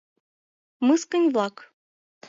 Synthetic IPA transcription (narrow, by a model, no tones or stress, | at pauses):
mɨskə̆nʲvlˠɑk